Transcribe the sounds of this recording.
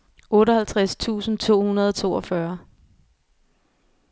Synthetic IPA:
ɔ̽ːɾɒhælt͡sʰʁast͡sʰṵːsn̩t͡sʰo̝̰ːhunɐð̞ˠɒt͡sʰo̝̰ːɒfɶɐ

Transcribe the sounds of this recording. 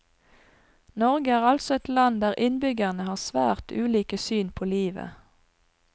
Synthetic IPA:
nɔʁɡəæːʁɑlt̪sɔɛt̪lɑnd̪æːʁʔɪnbʏɡæʁnəhɑːsʋæ̰ːʁt̪ʉːliːkəsyːnpʰoːliːʋə̰

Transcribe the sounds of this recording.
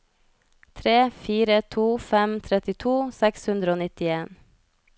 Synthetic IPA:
t̪ʰɾeːfiːɾət̪ʰuːfɛmt̪ʰɾɛt̪ɪt̪ʰuːsɛkshʉnd̪ɾəoːnɪt̪ɪeːn

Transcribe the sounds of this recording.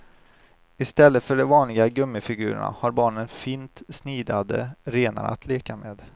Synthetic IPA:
ɪst̪ɛlːət̪fœɖɔvɑːnlɪɡaɡɵmːɪfɪɡʉ̟ːɾə̰ɳa̰haɾbɑːɳənfiːnt̪sniːd̪ad̪ə̰ɾeːna̰ɾa̰t̪ʰleːkamḛːd̪

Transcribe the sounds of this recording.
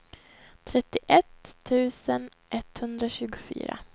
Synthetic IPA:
t̪ʰɾɛt̪ːɪʔɛt̪ʰːʉ̟ːsən | ʔɛt̪ːhɵnd̪ɾaɕʉ̟ːɡʊfy̰ːɾa̰

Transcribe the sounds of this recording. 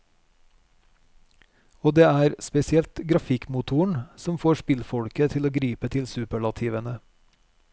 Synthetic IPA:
oːd̪eːæːɾspɛsɪɛlt̪ɡɾɑfɪkmʊt̪ʰuːəɳ̩sɔmfoːʃpɪlfɔɽkət̪ʰɪloːɡɾiːpət̪ʰɪlsʉːpəɭɑt̪ʰiːʋənə

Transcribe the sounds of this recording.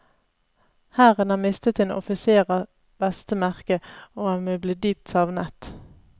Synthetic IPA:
hæːʁənɑːmɪst̪ət̪eːnɔ̰fɪseːʁɑ | b̥ɛst̪əmæʁkəoːɑmeːbliːd̪yːp̚t̪sɑʋnət̪

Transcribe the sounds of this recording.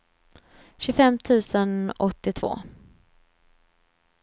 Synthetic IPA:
ɕɵfɛmt̪ʰʉ̟ːsənɔt̪ːɪt̪ʰvo̰ː

